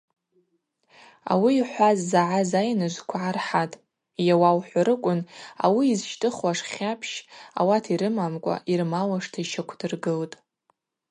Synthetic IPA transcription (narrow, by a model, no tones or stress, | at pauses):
a̰wiːħʷazːaʕazajnɨʒʷkʷʰaʕarħatʼ | jawawħʷaɾɨkʷʼʊna̰wiːzʃtʼɨχwaʂχʲapʰʃa̰watʰiɾɨmamkʷʼa̰ʔirmalaʂtʰaiʃakʷʰdɨrɡɨltʼ